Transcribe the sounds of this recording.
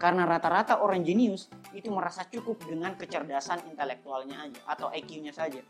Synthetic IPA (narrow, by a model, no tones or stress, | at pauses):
kaɾənaɾat̪aɾat̪aʔoɾaŋd͡ʒɛniʊsit̪uməɾasat͡ʃukʊp̚dəŋankət͡ʃərdasanint̪elɛk̚t̪ualɲaːd͡ʒaʔat̪awʔakjuɲasad͡ʒa